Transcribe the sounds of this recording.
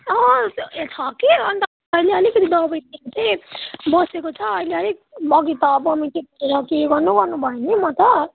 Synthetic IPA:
ʌet̪ʰʌkiʌnt̪ʌ | ʌileʌlikʌt̪ʰid̪ʌbʌjt̪int͡sʌj̃bʌsekot͡sʰʌːileʌlikbʌɡit̪ʌbʌmit̪ʰipueɾʌkeɡʌrnuɡʌrnubʱʌjonimʌt̪ʌ

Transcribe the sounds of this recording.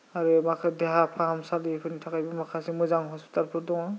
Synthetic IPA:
aɾumakʰadɛɦapʰamsalipʰɯnitʰakajbɔmakʰasimɔjzaŋɦɔspi̥talpʰɔɾdɔŋɔ

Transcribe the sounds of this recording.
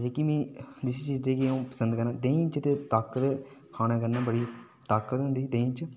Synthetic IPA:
d͡ʒeːkimĩːd͡ʒɪsit͡ʃiːzd̪eːkiũːpə̥sənd̪kəɾnãːd̪ẽːt͡ʃt̪et̪aːkət̪ | kʰaːñãːkəɾnãːbəɽiː | t̪aːkət̪ɦʊ̃nd̪iːd̪ẽːt͡ʃ

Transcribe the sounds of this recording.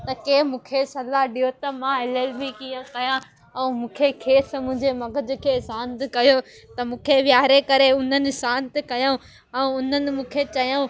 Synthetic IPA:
t̪ɐkeːmũːkʰesɐlaɦɗijɦot̪ɐmãɪlelmikijə̃kɐjã | ɛ̃mũːkʰekʰeːsmʊ̃ɦɲd͡ʑemɐɡʱəd͡ʑʊ̆kʰeːsãːnt̪ɪkɐjo | t̪ɐmũːkʰeʋjaːɦɾekɐɾeʊn̤ənɪ̆sãːnt̪ɪkɐjãũ | ɛ̃ʊn̤ənɪ̆mũːkʰet͡ɕɐjãũ

